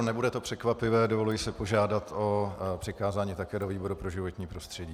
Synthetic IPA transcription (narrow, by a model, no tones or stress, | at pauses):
nɛbudɛt̪o̞pr̥ɛkvapɪvɛːdo̞vo̞lujɪsɪpo̞ʒaːdat̪o̞pr̥ɪkaːzaːɲiːt̪akɛːdo̞viːbo̞ɾupɾo̞ʒɪvo̞t̪ɲiːpɾo̞st̪r̥ɛɟiː